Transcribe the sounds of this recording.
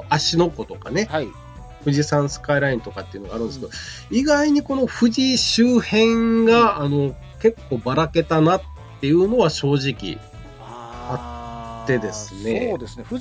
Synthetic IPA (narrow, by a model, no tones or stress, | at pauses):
aɕino̞ko̞t̪o̞ka̰ne̞h | ɸɯ̟ʑisãɰ̃sɨ̥kaiɾaĩnt̪o̞kat̪ːe̞iɯ̟noɡaɾɯ̟nd̪esked̪oiɡaiɲ̟iko̞no̞ɸɯ̟ʑiɕɨːhẽ̞ŋɡaːno̞ | ke̞kːo̞ːbaɾake̞t̪anat̪ːe̞jɯ̟ːno̞β̞aɕo̞ːʑikʲḭ | at̪ːe̞d̪e̞sɨne̞d̪esne